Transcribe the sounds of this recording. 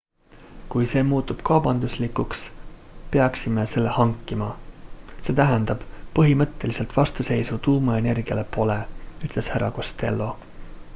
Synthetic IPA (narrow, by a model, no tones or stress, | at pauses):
kujse̞ːmuːt̪ːˑub̥kɑwb̥ɑnd̪̥uslikːˑuks | pe̞ɑksimese̞lːe̞hɑŋkːˑimɑ | se̞ːt̪æɦend̪̥ɑb̥pɤɦimɤt̪ːe̞lise̞lt̪vɑst̪use̞jsut̪uːmɑe̞ne̞rɡ̥iɑ̰le̞po̞le̞yt̪ˑle̞shæɾɑko̞st̪e̞̰lːo̞